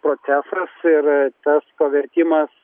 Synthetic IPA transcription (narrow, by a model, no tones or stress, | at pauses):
pɾoːt̪sʲæːsɾɐsɪɾt̪ɐspɐʋʲɛɾʲt̪ʲɪmɐs